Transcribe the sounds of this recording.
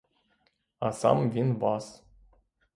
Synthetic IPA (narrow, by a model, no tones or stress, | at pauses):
asa̰mvʲinvas